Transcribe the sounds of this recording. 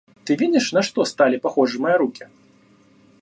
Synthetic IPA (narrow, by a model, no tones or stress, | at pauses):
t̪ɨvʲid̪ʲiʂnɐʂt̪ɔst̪alʲipaxɔʐɨmɐjɐɾukʲi